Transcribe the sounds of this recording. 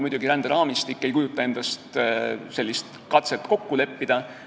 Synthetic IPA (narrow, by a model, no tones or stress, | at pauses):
mud̪uɡiɾænd̪̥eɾɑːmist̪ikːe̞jkujut̪ˑːɑe̞nd̪̥ɑst̪se̞lʲːist̪ | kɑt̪selt̪ˑko̞kːule̞pːid̪̥ɑ